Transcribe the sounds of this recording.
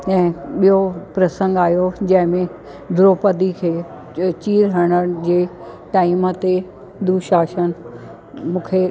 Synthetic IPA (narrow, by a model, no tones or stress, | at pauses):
ɛ̃ːɓijopɾɐsə̃ŋɡaːjod͡ʑɐ̃ɦɪ̃mẽ | d̪ʱɾoːpəd̪ikʰeː | t͡ɕiːɾɦɐɽ̃əɽ̆d͡ʑeː | ʈaːimət̪e | d̪uːʃaːʃənɪ̆ | mũːkʰe